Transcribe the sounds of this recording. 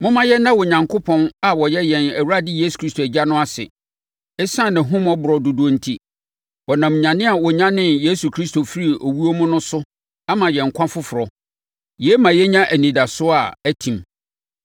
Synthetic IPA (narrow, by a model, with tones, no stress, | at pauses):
mʊ̃˦mã˦jɛ˦nːã˦wɔ˨ɲã˨ŋkʰo˦pʰɔ̃˦na˨wɔ˨jɛ˦jɛ̃˨næ˨wu˦ɾa˦dɪ˦jeː˦su̥˨kʰɾi˦stʰo˨æ˨d͡ʑa˦nʊ̃˦a˦sɪ̰˨ | ɛ˦sã˦˨nɪ̃˨ɦʊ̃˦m˦ɔ˦bʊ˨ɾɔ˨du˨du˨˦o˦n̩˦tʰi˦ | wɔ˨nã˨m˨ɲã˨nɪ̃˦a˨wɔ˨ɲã˦nɪ̃˦nje˦su˨kʰɾi˦sto˨fi˦ɾi˨o˨wu˦o˦mʊ̃˦nʊ̃˦sʊ˦ | a˦mã˨jɛ̃˨ŋ̩˨kʷʰã˦fʊ˦fʊ˨ɾɔ˨ | jɛ˨˦mã˨jɛ˦ɲã˦ʔæ˨nĩ˨da˨sʊ˦a˨æ˦tʰĩ˨m